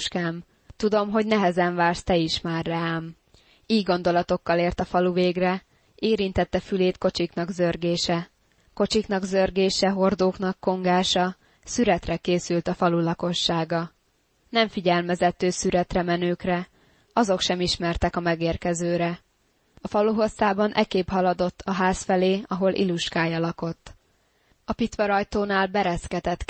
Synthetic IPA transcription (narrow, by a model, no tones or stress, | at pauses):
ʃkaːm | t̪ud̪o̞mɦo̞ɟnɛɦɛzɛɱvaːrst̪ɛiʃmaːrːɛaːm | iːɡo̞n̪d̪o̞lɒt̪o̞kːɒleːrt̪ɒfɒluveːɡrɛ | eːɾint̪ɛt̪ːɛfyleːt̪ko̞t͡ʃikn̪ɒɡzørɡeːʃɛ | ko̞t͡ʃiknɒɡzørɡeːʃɛɦo̞rd̪oːkn̪ɒkːo̞ŋɡaːʃɒ | syɾɛt̪rɛkeːsylt̪ɒfɒlulɒko̞ʃːaːɡɒ | nɛɱfiɟɛlmɛzɛt̪øːsyɾɛt̪rɛmɛnøːkrɛ | ɒzo̞kʃɛmiʃmɛrt̪ɛkɒmɛɡeːrkɛzøːɾɛ | ɒfɒluɦo̞sːaːbɒnʔɛ̰keːphɒlɒd̪o̞t̪ʰːɒɦaːsfɛleːɒɦo̞lʔḭluʃkaːjɒlɒko̞t̪ː | ɒpit̪ʋɒɾɒjt̪oːnaːlbɛɾɛskɛt̪ɛt̪